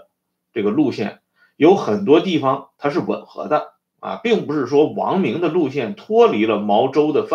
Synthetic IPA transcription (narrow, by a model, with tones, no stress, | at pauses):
ʈ͡ʂɤ˥˩ɡə˩lu˥˧ɕjɛ̰˥˩n | jo˧˥ʊxə˨˩nt̪̬wɔ˥t̪i˥˩fɑ˩ŋt̪ʰa˥ʂ̬ɻ̩˥˩wə̰˨˩nxɤ̰˧˥d̪ə˧ | ɐ̰˧˩pi˥˩ŋpu˧˥ʂɻ̩˥˩ʂwɔ˥wɑ̰˧˥ŋmi˧˥ŋd̪ə˧lu˥˧ɕ̬jɛ˥˩nt̪ʰwɔ˥li˧˥lə˧mɑ˧˥ʊʈ͡ʂo˥ʊd̪ə˨f